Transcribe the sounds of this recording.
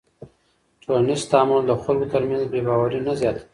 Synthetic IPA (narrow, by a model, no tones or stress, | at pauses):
ʈonɪst̪ɑmand̪əxalɡot̪əɾmjanzbɾebɑwaɾinazjɑt̪ḁi